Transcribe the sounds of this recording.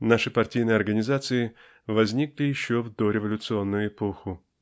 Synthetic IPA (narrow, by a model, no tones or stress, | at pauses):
naʂɨpɐrtʲijnɨjəɐrɡənʲɪzat̪sɨɪ | vɐzʲnʲiklʲɪjɪɕːovd̪oɾʲɪvɐlʲʊt̪sɨo̞nːʊjʊɪpoxʊ